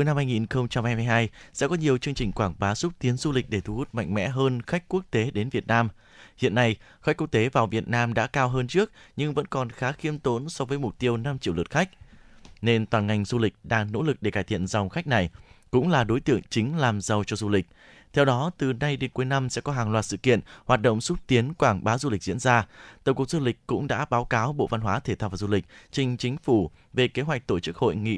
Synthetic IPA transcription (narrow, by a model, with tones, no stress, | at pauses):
u˨˦jna˧mhaː˧jŋi˨˩nxə˧wŋ͡mt͡ɕa˧mhaː˧jm˧jɦaː˧jsɛ̰˧˥kɔ˨˦ɲi˨˩əwt͡ɕɨ˧əŋt͡ɕï̟˨˩kwaː˧˩ŋɓaː˨˦sʊ˦˥t̚t̪i˨˦ənzu˧lï˨˩k̟̚ɗe˧˩t̪ʰu˧˩hu˦˥t̚ma̰˧jŋ̟mɛ̰˧˥ɦəː˧nxa˦˥k̚ku˦˥ək̚t̪e˨˦ɗe˨˦nvi˨˩ət̚naː˧m | hḭ˧˨ənːa˧j | xa˦˥k̟kːu˦˥k̚t̪e˨˦vaː˨˩wvi˨˩ət̚naː˧mɗa̰ː˧˥kaː˧wɦəː˧nt͡ɕɨ˦˥ək̚ɲɨ˧ŋvə̰˧˥nkɔ˨˩nxaː˨˦xi˨˧əmt̪o˨˦nsɔ˨˧vəː˨˦jmʊ˨˩k͡p̚t̪i˧əwna˧mt͡ɕḭ˧˨wlɨ˨˩t̚xa˦˥k̚ne˧nt̪waː˨˩nŋa˨˩jŋ̟zu˧lï˨˩k̚ɗaː˧ŋno̰˧˥lɨ˨˩k̚ɗe˧˩kaː˧˩jt̪ʰḭ˧˨ənza˨˩wŋ͡mxa˦˥jk̟̚na˨˩jkʊ̰˧˥ŋ͡mlaː˨˩ɗo˨˦jt̪ɨ̰˧˨əŋt͡ɕï˨˦ŋ̟laː˨˩mzə˨˩wt͡ɕɔ˧zu˧lï˨˩k̟̚ | t̪ʰɛ˧wɗɔ˨˦t̪ɨ˨˩na˧jɗe˨˦nku˨˦jna˧msɛ̰˧˥kɔ˨˦ɦaː˨˩ŋlwaː˨˩t̚sɨ̰˧˨kḭ˧˨ənhaː˨˩t̚ɗo̰˧˨wŋ͡msu˦˥t̚t̪i˨˦ənkwaː˧˩ŋɓaː˨˦zu˧lï̟˨˩z̥ḭ˧˥ənzaː˧t̪ə˨˧˩wŋ͡mku˨˩k̚zu˧lï˨˩k̟̚kʊ̰˧˥ŋ͡mɗa̰ː˧˥ɓaː˨˦wkaː˨˦wɓo̰˧˨va˧nɦwaː˨˦t̪ʰe˧˩t̪ʰaː˧wvaː˨˩zu˧lï˨˩k̟̚t͡ɕï˧ŋ̟t͡ɕï˨˦ŋ̟fu˧˩ | ve˨˩ke˨˦ɦwa˨˩k̚t̪o˧˩t͡ɕɨ˦˥k̚ho̰˧˨jŋḭ˧˨